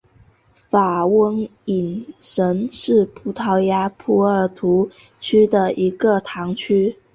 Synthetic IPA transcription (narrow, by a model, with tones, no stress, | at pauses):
fa˨˩wə˥ŋi˨˩nʂə˧˥nʂɻ̩˥˩pʰu˧˥t̪ʰɑ˧˥ʊja˧˥pʰu˧˥ə˞˨˩t̪ʰu˧˥ | t͡ɕʰy˥d̪ə˨ʔi˧˥ɡə˧t̪ʰɑ˧˥ŋt͡ɕʰy˥